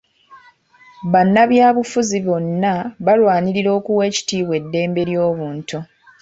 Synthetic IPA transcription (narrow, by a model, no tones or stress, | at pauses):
βanːaβjaːβufuziβo̞nːaβalwaːɲiɾiɾo̞ːkuwe̞ːci̥tiːβwe̞dːe̞ːmbe̞ɾjo̞ːβuːntu